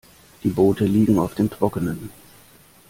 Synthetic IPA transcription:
d̥iːboːtəliːɡŋ̩aʊfd̥eːmtʁ̥ɔkənən

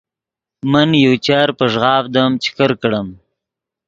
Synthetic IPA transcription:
mənjawt͡ʃaɾpəʒɣɑːfd̪əmt͡ʃɪ̥kəɾkɽəm

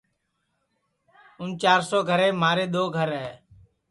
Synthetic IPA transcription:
ʊnt͡ʃaːɾsoːɡʱəɾeːmaːɾeːɗ̪oːɡʱəɾɦɛː

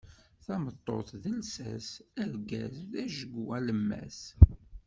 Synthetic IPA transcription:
θɑmət̪ˤːo̰θðəlsæsæɾɡæsðæʒəɡuæləmːæ̰s

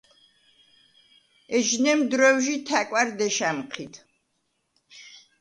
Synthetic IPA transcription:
ɛʒnɛmd̪ɾɔwʒit̪ʰakʼwaɾd̪ɛʃamqʰit̪ʰ

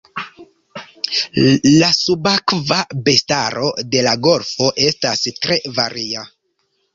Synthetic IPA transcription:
lasubakvabe̞staɾo̞de̞laɡo̞lfo̞ʔe̞stastɾe̞vaɾia

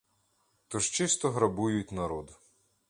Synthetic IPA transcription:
t̪ɔʒt͡ʃɪst̪ɔɦɾɐbujʊtʲnɐɾɔd̪ʊ

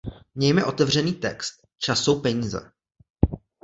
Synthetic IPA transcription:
mɲɛjmɛʔo̞t̪ɛvr̝ɛniːt̪ɛ̰kst̪̚ | t͡ʃasowpɛɲiːzɛ̰

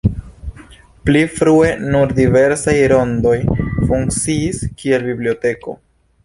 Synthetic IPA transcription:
plifɾue̞nuɾdive̞ɾsajɾo̞ndo̞jfuŋkt͡siːskie̞lbiblio̞te̞ko̞̰

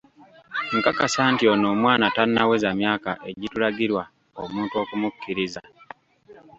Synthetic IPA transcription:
ŋkakasaːntio̞no̞ːmwaːnatanːawe̞zamjaːkaʔe̞ɟitulaɟiɾwa | omuːnto̞ːkumukʰːiɾiza

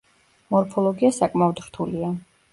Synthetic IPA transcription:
mɔɾpʰɔlˠɔɡiasakʼmaɔd̪ɾ̥t̪ʰulia

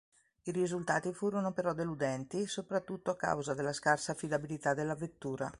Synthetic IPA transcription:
iɾizult̪aːt̪ifuːɾonopeɾɔd̪elud̪ɛnt̪isopɾat̪ːut̪ːoakːa̰wzad̪elːaskarsaːfːid̪abilit̪ad̪ːelːavet̪ːuːɾa̰

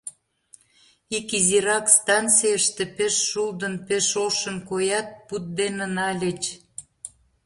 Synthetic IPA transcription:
ikiziɾɑkst̪ɑnt͡sijəʃt̪epeʃːuld̪ənpeʃoʃənkojɑt̪̚put̪̚d̪enənɑlʲət͡ɕ

